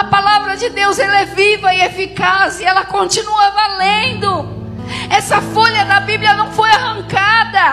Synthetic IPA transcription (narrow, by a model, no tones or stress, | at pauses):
ɐpalavɾɐd͡ʒɪd̪ewzɛlɐɛvivɐɪefikazɪɛlɐkõnt͡ʃinuɐvalẽnd̪ʊ | ɛsɐfoʎɐd̪ɐbiblʲijɐnɐ̃w̃fojahɐ̃ŋkad̪ɐ